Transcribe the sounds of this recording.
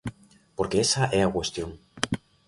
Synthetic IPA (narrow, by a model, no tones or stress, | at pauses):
poɾkeesaʔɛakwest̪joŋ